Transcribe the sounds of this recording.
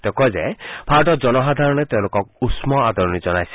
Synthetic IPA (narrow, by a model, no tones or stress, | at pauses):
t̪ekɔd͡ʒebʰʱaɾɔʈɔd͡ʒɔnɔɦad̪ʱaɾɔɽ̃et̪ẽlokɔk̚usmɔad̪ɔɾɔñid͡ʒɔnajsi̥